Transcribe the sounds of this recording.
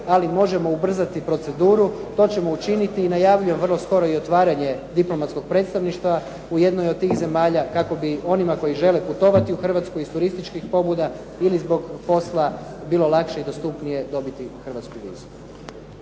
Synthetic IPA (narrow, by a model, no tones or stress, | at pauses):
alimo̞ʒe̞mo̞ubr̩zat̪ipɾo̞t̪se̞d̪uːɾut̪o̞ːt͡ɕe̞mo̞ut͡ʃinit̪iːnajaʋʎujeʋrlˠo̞sko̞ɾo̞io̞t̪ʋaːɾaɲe̞d̪iplo̞mat̪sko̞ɡ̥̚pɾe̞ːt̪st̪aʋniʃt̪ʋa | uje̞d̪nojod̪̚t̪ːiːxze̞maːʎakako̞bio̞nimako̞jiʒe̞leput̪o̞ʋat̪iuxr̩ʋat̪skojist̪uɾist̪it͡ʃkixpo̞bud̪a | ilizbo̞ɡpo̞slˠabiːlo̞lˠakʃeid̪o̞st̪upnije̞d̪o̞bit̪ixr̩ʋat̪skuʋḭːzu̥